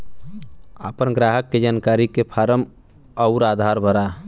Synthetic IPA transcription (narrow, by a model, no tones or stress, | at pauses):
apənɡɾaɦəkːed͡ʒankaɾikepʰaɾəm | əʊɾad̪ʱaɾbʱəɾa